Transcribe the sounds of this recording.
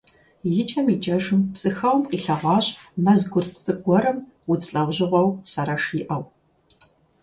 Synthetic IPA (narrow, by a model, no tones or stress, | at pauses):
jɪt͡ʃʼɐmiːt͡ʃʼɐʒɨmpsʼɨxɐwmqʼiːɬɐʁʷɑːɕʼmɐzɡʷʊrt͡sʼɨɡ̥ʷɔɾɐm | wʊt͡sʼɬʼɐwʷʑɪʁʷɐwsɐɾɐʂiːʔɐw